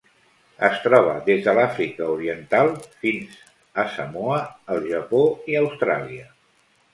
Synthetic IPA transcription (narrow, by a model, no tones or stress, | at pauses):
əst̪ɾɔβ̞əðezðəlafɾikəuɾiənt̪alˠfinz | əsəmoəːlˠʒəpoiəwst̪ɾa̰liə